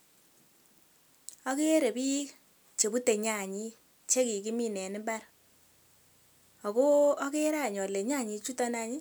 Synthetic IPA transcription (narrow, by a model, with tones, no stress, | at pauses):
ɔ˦ke˦ɾe˨pi˦k | t͡ʃe˨bu˦te˨ɲa˨ɲi˦ | t͡ʃe˦ki˨ki˦mi˦nɛ˨nɪ˦mba˦ɾ | ɔ˨ko˦ɔ˦ke˦ɾa˦˨ɲɔ˨le˨ɲa˦˨ɲi˧t͡ʃu˦ta˦na˨ɲi˦